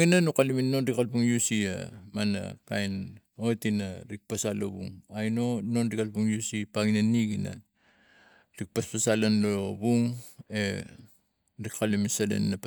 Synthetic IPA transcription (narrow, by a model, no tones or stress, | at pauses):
ɡinanukaliminːonɾikalpuŋjusia̰mana̰ka̰jn | o̞tinaɾik̚pasalo̰bṵŋajno̞no̞nɾikalpuŋjusipaɡinanːiɡina̰ | ɾik̚paspasalanlobuŋe | ɾikkaliminsalḛnːap